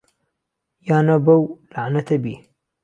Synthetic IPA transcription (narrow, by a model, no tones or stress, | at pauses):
jaːnɐbɐwlaʕnɐt̪ɐbi